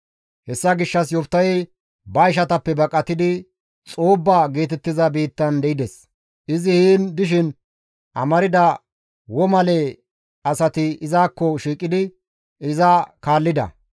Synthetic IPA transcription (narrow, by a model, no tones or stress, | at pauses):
hɛsːɐɡɪʃːɐsjɔpt̪ːɐjɛ | bɐɪʃɐt̪ɐpːɛbɐkʼːɐt̪ɪd̪ɪ | t͡sʼuːbːaɡe̞ːt̪ɛt̪ːɪzɐbiːt̪ːɐnd̪ɛɪd̪ɛs | ʔɪzɪhiːnd̪ɪʃ̬ɪn | ʔɐ̰mɐɾɪd̪ɐ | wɔmɐlɛ | ɐsɐt̪ɪɪzaːkːɔʃiːkʼːɪd̪ɪ | ɪzɐkaːlːɪd̪ɐ̰